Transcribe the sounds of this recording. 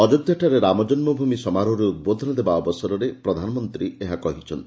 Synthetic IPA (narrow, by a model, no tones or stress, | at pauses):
ɔd͡ʒɔɡ̚d̪jɔʈaɾeɾamɔd͡ʒɔnmɔbʱumisɔmaɾɔɾuut̪̚bod̪ʱɔnɔd̪ebaɔbɔsɔɾɔɾepɾɔd̪ʱanɔmɔnt̪ɾieɦakɔɦit͡ʃʰɔnt̪i